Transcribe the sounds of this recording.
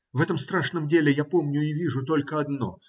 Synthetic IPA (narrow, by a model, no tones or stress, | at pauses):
vɛt̪əmst̪ɾaʂnəmdʲelʲɪjapo̞mnʲʊɪvʲiʐʊt̪o̞lʲkəɐd̪no̞̰